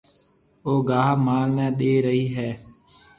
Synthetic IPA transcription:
oːɡaːɦmaːlnɛ̃ːɗeːɾəɦiːɦɛː

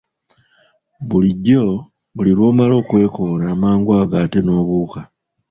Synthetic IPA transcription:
βuliɟːo̞ | βuliɾwo̞ːmalo̞ːkwe̞ːkonaːmaːŋɡwaːɡaːte̞no̞ːβuːka

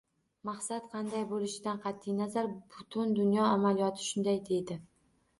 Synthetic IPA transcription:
mɑχsat̪qʰɑnd̪ajbolɪʃɪd̪anqʰɑt̪ʰːɪjnazaɾbʊt̪ʰʊnd̪ʊnjɒamalijɒt̪ʰɪ̥ʃʊnd̪ajd̪e̞d̪ɪ

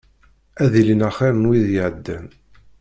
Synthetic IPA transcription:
æðilinæχiɾənwiðjəʕəd̪ːən

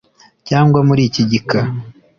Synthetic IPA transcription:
caːŋɡwamuɾiːciɟika

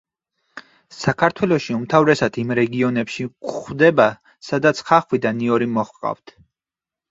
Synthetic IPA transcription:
sakʰaɾt̪ʰwɛlˠɔʃiumt̪ʰavɾɛsad̪ʰimɾɛɡiɔnɛpʃikχwd̪ɛba | sad̪at̪sʰχaχwid̪aniɔɾimɔχqʼa̰vt̪ʰ

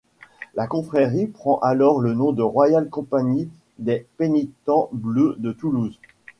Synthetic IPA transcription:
lakɔ̃fχɛʁipχɑ̃ʔalɔʁlənɔ̃d̪əʁwajalkɔ̃paɲi | d̪ɛpenit̪ɑ̃blød̪ət̪uluz

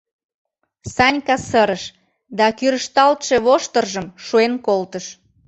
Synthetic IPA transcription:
sɑnʲkɑsəɾəʃ | d̪ɑkyɾəʃt̪ɑlt̪ʃe̽βoʃt̪ərʒəmʃuenkolt̪əʃ

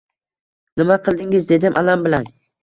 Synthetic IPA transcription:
nɪmaqʰɨlˠd̪ɪŋɪzd̪e̞d̪ɪmʔalambɪlan

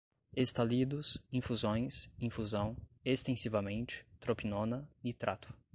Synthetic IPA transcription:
est̪alid̪ʊsĩfuzõj̃sĩfuzɐ̃w̃est̪ẽsivɐmẽnt͡ʃɪ̥t̪ɾopinõnɐɪt̪ɾʔat̪ʰʊ̥

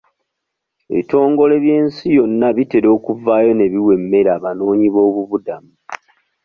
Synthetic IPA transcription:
ḛβito̞ːŋɡo̞le̞βje̞ːnsijo̞nːaβite̞ɾo̞ːkuvaːjo̞ne̞βiwe̞mːe̞ɾaːβano̞ːɲiβo̞ːβuβudamu

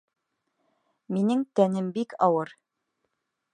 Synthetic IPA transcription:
minɘŋt̪ænɘmbikʰɑwɤɾ

